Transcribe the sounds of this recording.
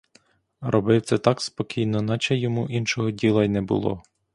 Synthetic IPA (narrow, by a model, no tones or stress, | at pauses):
ɾʔɔbɪwt̪sɛt̪ɑkspɔkʲʰijnɔnɑt͡ʃɐjɔmuʔinʃɔɦɔdʲilˠɐinɛbʊ̰lˠɔ̰